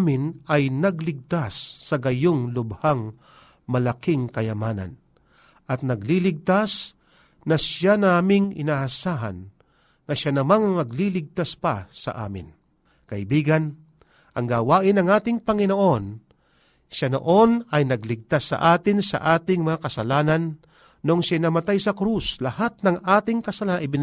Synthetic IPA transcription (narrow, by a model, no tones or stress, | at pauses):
amɪnʔɐjnɐɡlɪɡ̚t̪asːɐɡɐjoŋlʊbhaŋ | mɐlɐkɪŋkɐjɐmaːnɐ̰n | ʔɐt̪̚nɐɡlilɪɡ̚t̪as | nɐʃjanaːmɪŋɪ̰naːʔɐsaːɦɐ̰nː | ɐʃanɐmaŋɐŋnɐɡlilɪɡ̚t̪aspɐsɐ̰ʔa̰ːmɪ̰n | kɐʔɪbiːɡɐn | ʔɐŋɡaːwaːʔɪnɐŋaːt̪ɪŋpɐŋɪnoʔo̞n | ʃano̞̰ʔo̞nɐjnɐɡlɪɡ̚t̪asːɐ̰ʔaːt̪ɪnsɐ̰ʔaːt̪ɪŋmɐŋakɐsɐlaːnɐnː | oŋʃajnɐmɐt̪ajsɐkɾuslɐhat̪̚nɐŋʔaːt̪ɪŋkɐsɐlaɪbɪ